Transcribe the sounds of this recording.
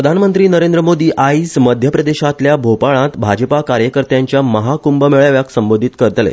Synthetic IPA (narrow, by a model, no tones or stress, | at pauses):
ɾəd̪ʱanmənt̪ɾiːnəɾẽnd̪ɾəmod̪iːʔaisməd̪ʱjəpɾəd̪eɕat̪ljabʱopaɭãt̪bʱad͡ʑəpakaɾjəkəɾt̪jaɲt͡ɕjaməɦakumbəmeɭaʋjaksəmbod̪ʱit̪kəɾət̪lḛ